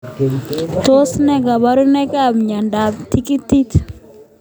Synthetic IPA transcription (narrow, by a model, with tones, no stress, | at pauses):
to˦snɛ˦ɡa˨ba˦ɾu˦nɛ˦ka˦mɲa˨nda˨bt̪i˦ki˦t̪ːi˦t̪